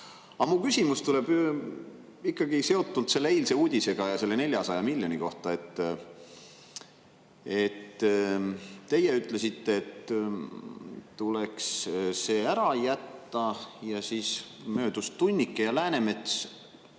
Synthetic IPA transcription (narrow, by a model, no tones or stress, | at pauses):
ɑmukysʲimust̪ule̞b̥ | ikˑːɑɡ̥ise̞o̞t̪ːult̪se̞lːeejlse̞uːd̪̥ʲise̞ɡ̥ɑjɑse̞lːe̞ne̞lʲjɑsɑjɑmilʲjo̞nʲiko̞ht̪ɑe̞t̪ːˑ | e̞t̪ː | t̪ːe̞jeyt̪ˑle̞sit̪ːe̞ːt̪ | t̪ule̞ksse̞ːæɾɑjæt̪ːɑjɑsiːsmø̞ːd̪ust̪unʲːikːˑejɑlæːne̞me̞t̪s